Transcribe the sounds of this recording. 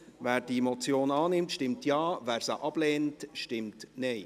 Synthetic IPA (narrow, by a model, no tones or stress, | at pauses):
væːɾdimɔt͡sjoːnɑːnɪmtʃtɪmtjɑːʋæːɾsaʔɑb̥lɛːntʃtɪmtnɛɪ